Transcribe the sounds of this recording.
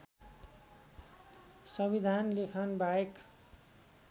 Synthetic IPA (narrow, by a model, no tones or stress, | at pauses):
sʌbid̪ʱanlekʰʌnbaek